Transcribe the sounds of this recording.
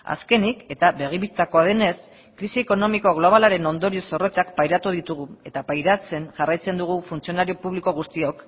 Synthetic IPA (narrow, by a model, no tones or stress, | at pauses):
a̰ske̞nike̞t̪aβe̞ɣ̞iβist̪ako̞aðene̞s | kɾisie̞ko̞no̞miko̞ɣ̞lo̞β̞alaɾe̞no̞nd̪o̞ɾio̞so̞ro̞t͡sakpajɾat̪uðit̪uɣ̞ue̞t̪apajɾat͡se̞nʝarajt͡se̞nd̪uɣ̞ufunt͡sio̞naɾio̞puβliko̞ɣ̞ust̪io̞k